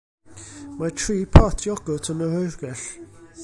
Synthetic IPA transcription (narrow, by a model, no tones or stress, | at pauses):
matʰriːpʰɔtʰjɔɡ̥ʊtʰənəhɔjrɡ̥ɛɬ